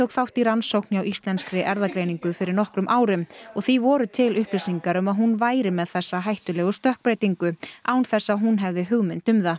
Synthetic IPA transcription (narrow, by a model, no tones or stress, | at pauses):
t̪ʰowkθawht̪iɾansowknɪawʔist̪lɛnskɾɪʔɛɾðakɾejniŋkʏfɪɾɪɾnɔhkɾʏmʔaːwɾɪmɔɣθivɔːɾʏt̪ʰɪlʏhplesiŋkaɾʏmaðɦunvaːjɾɪmɛðθɛsːaɦajht̪ʏlɛːɣʏst̪œhk̚pɾejt̪iŋkʏawnθɛsːaɦunɦɛvðɪɦʏɣmɪnt̪ʏmða